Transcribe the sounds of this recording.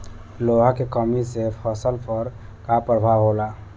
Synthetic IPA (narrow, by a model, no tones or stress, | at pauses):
loɦakekəmisepʰəsəlpəɾ | kapɾəbʱawɦola